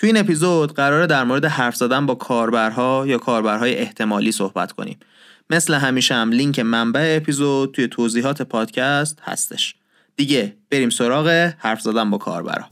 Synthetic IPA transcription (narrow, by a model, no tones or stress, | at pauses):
t̪ʰuiːne̞pizod̪̥ɢæɾɒːɾed̪æɾmoɾed̪ehæɾfz̥æːd̪ænbɒːkʰɒːɾbæɾɦɒːjɒːkʰɒːɾbæɾɦɒːje̞ʔeht̪ʰe̞mɒːliːso̞hbæ̰t̪ʰkʰo̰nḭːm | me̞sleɦæmiːʃæmliŋcʰe̞mæmbæeːpʰizod̪̚t̪ʰuje̞t̪ʰoːziːɦɒːt̪ʰe̞pʰɒːd̪̥cʰæst̪hæ̰st̪ʰe̞ʃ | d̪̥iːɟe̞b̥e̞ɾiːmso̞ɾɒːɣe̞hæɾfzæːd̪ænbɒːkʰɒ̰ːɾbæ̰ɾhɒ̰ː